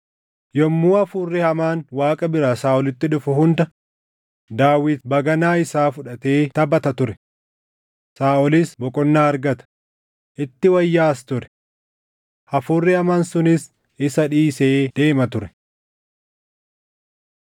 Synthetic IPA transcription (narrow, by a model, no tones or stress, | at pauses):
jɔmːuːɐfuːrːɪhɐmaːnwaːkʼɐbɪɾasaːʔɔlɪt̪ːɪᶑʊfʊhʊnd̪ɐ | d̪aːwɪt̪bɐɡɐnaːɪsaːfʊᶑɐt̪e̞ːt̪ɐbɐt̪ɐt̪ʊɾɛ̥ | saːʔɔliːsbɔkʼɔnːaːɐɾɡɐt̪ɐ̥ | ʔɪt̪ːɪwɐjːaːst̪ʊɾɛ̥ | ɐfuːrːɪɐmaːnsʊnɪs | ɪsɐᶑiːseːd̪̥e̞ːmɐt̪ʊɾɛ̥